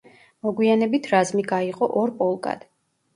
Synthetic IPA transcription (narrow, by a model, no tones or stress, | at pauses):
mɔɡwianɛbit̪ʰɾazmiɡaiqʼɔʔɔɾpʼɔlˠkʼa̰d̪̥